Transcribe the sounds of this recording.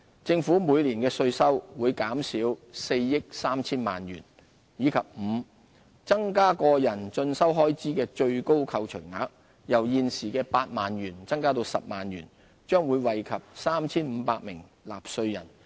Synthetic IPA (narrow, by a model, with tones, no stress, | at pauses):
t͡sɪ˧ŋfuː˨˥muː˨˧jliː˨˩nkɛː˧sɵ˧ɥsɐ˥wwuː˨˧jkaː˨˥msiː˨˥wse˧jːɪ˥k̚saː˥mt͡sʰiː˥nmaː˨nɥyː˨˩n | jiː˨˧kʰɐ˨p̚m̩˨˧ | t͡sɐ˥ŋkaː˥kɔː˧jɐ˨˩nt͡ʃɵ˧nsɐ˥wɦɔː˥jt͡siː˥kɛː˧t͡ʃɵ˧ɥko˥wkʰɐ˧wt͡ʃʰɵ˨˩ɥŋa̰ː˨˥k̚ | jɐ˨˩wjiː˧nsiː˨˩kɛː˧paː˧t̚maː˨nɥyː˨˩nt͡sɐ˥ŋkaː˥t̪o˧wsɐ̰˨p̚maː˨njy̰ː˨˩n | t͡ʃœː˥ŋwuː˨˧jwɐ˨˩jkʰɐ˨p̚saː˥mt͡sʰiː˥nm̩˨˧paː˧t̚mɪ˨˩ŋla̰ː˨p̚sɵ˧ɥjɐ˨˩n